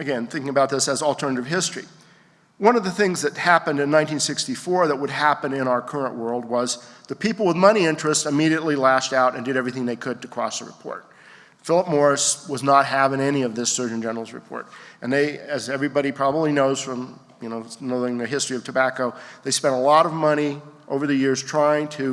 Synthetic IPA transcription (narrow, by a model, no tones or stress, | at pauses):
ɨɡɛ̃nθɪ̃ŋkɪ̃ŋɨəbaʊt̪̚ðɪsɨzl̩ˠtʰɜ˞nɨɾɨv̥ɦɪstɹ̥ḭ | wʌ̃nʌvðɨθɪ̃ŋzðɨt̚hæpɨ̃ndɨ̃nːãɪ̃ntĩnsɪkstifɔɹðət̚wəd̚ɦæpɨ̃nɪ̃ɾ̃aʊə˞kʰɜ˞ə̃nʔwɜ˞lˠd̚wʌzðɨpʰipl̩ˠwəðmʌñiɪ̃nt͡ʃɹ̥ɨstɨmiɾiɨtˡlilæʃtaʊɾɨ̃ndɨɾɛvɹiθɪ̃ŋðeɪkʰɨd̚tʰɨkʰɹ̥ɔ̰sðəɹɨpʰɔ̰ɹt̚ | fɪlˠəp̚mɔɹɨswʌznət̚ɦævɪ̃ŋɛñiʌvðɪsɜ˞d͡ʒɨ̃n̩d͡ʒɛnə˞l̩ˠzɹɨ̰pʰɔ̰ɹɾɨ̃nðeɪɨzɛvɹibɑɾipʰɹ̥ɑbəblinoʊz̥fɹʌ̃m | jɨnoʊnoʊɪ̃ŋðɨɦɪstɹ̥iʌv̥tʰɨbækoʊðeɪspɛ̃ntəlɔɾʌvmʌɾ̃iʔoʊvə˞ðɨjɪɹz̥tʰɹ̥aɪɪ̃ŋtʰɨ